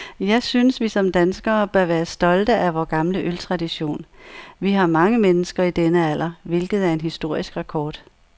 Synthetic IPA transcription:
jɑ̈ɪsynsʋisɒ̽md̥ænsɡ̥ɐːb̥ɶɐʋæːɐsd̥ɒ̽ld̥əʔæʋɒːɡ̥ɑ̈mləʔølt͡sʰʁɑ̈d̥iɕo̝̰ːnʋiɦɑ̈mɑ̈ŋəmenəsɡ̥ɐid̥enəæl̰ɐʋe̝lɡ̥ð̩ˠæɐe̝nɦisd̥o̝ɐ̰isɡ̥ʁɑkʰɒːd̥

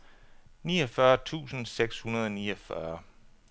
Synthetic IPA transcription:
niːɒfɶɐt͡sʰṵːsn̩seɡ̥shunɐð̞ˠɒniːɒfɶɐ

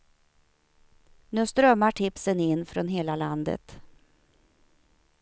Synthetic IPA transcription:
nʉːst̪ɾœmːaʈʰɪpsənɪnːfɾɔnɦeːlaland̪ə̰t̪

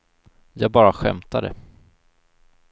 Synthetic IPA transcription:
jɑːɡ̚bɑːɾaɧɛ̰mt̪ad̪ə̰

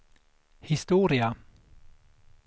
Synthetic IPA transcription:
hɪst̪uːɾɪa

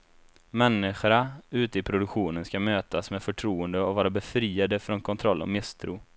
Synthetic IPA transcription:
mɛnːɪɧaʉ̟ːt̪əɪpʰɾʊd̪ɵkɧuːnənskamøːt̪asmeːfœʈʰɾuːənd̪əɔvɑːɾabɛfɾiːad̪əfɾɔnkʰɔnt̪ʰɾɔlːɔ̰mɪst̪ʰɾṵː

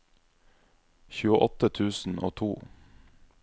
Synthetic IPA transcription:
çʉːəʔɔt̪ət̪ʰʉːsn̩o̰ːt̪ʰuː

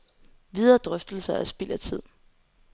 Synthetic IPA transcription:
ʋið̞ˠɐd̥ʁœfd̥l̩sɐæsb̥il̰æt͡sʰið̞̰ˠ

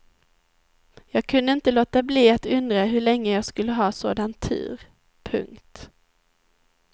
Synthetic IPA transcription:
jɑːɡ̚kʰɵnd̪əɪnt̪əloːt̪abliːat̪ɵnd̪ɾaɦɵɭɛŋːəjɑːɡskɵlːəɦɑːso̰ːd̪ant̪ʰːʉ̰ːɾ | pʰɵ̰ŋkt̪

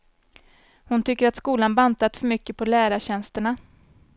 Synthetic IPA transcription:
hʊnt̪ʰʏkːəɾat̪skuːlanbant̪at̪fœɾmʏkːəpʰɔlæːɾaɕɛnst̪əɳa

